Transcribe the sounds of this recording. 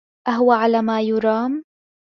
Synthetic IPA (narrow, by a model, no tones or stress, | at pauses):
ʔaɦʊwaʕalaːmaːjʊɾɑːm